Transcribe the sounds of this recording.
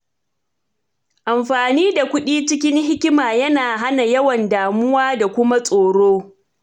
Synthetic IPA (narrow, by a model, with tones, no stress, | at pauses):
ʔa˨mɸaː˨niː˦da˨kʷʊ˦ɗiː˦t͡ʃɪ˦kʲɪ˦ŋɦɪ˦kʲɪ˦maː˨jɐ˦naː˨ɦa˦na˨jɐ˦wɐ˨ndaː˨mʊ˦waː˦da˨kʷʊ˦ma˦sʼoː˨ɽoː˦